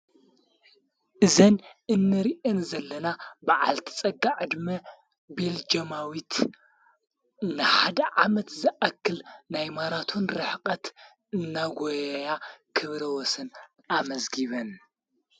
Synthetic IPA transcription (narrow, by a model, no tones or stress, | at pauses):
ʔɨzɐnɨnːɨɾiʔɨnzɐlːɐnabaʕa̰lt̪ʰi̥t͡sʼɐɡaʕɨd̪mɐ | beld͡ʒɐmawit̪ | nɨħad̪ɐʕamɐt̪zɨʔɐkːɨlnajmaɾat̪ʰunɾɨħqʼɐt̪ | ɨnːaɡʷojɐjakʰɨβɾɐwɔsɨn | amɐzɡiβɐn